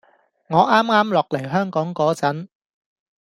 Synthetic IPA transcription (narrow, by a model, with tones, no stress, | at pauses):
ŋɔː˨˧˥ʔaː˥mŋaː˥mlɔː˨k̚le˨˩jɦœː˥ŋkɔː˨˥ŋkɔː˨˥t͡sɐ˨˥n